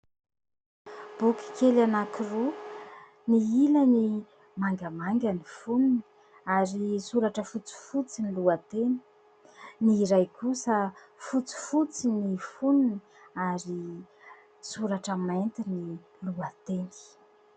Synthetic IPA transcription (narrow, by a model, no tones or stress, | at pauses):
b̥uki̥kelanakiru | niiləni | maŋɡamaŋɡənifunini | aɾisuɾaʈ͡ʂəfut͡si̥fut͡siniluat̪eni̥ | niɾajkusə | fut͡si̥fut͡sinifunini | aɾi | suɾaʈ͡ʂəment̪ini | luat̪eni̥